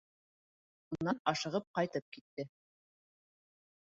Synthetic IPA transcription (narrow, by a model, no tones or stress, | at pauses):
unnːɑnɑʃɤ̆ʁɤp̚qɑjt̪ɤp̚kit̪ːɘ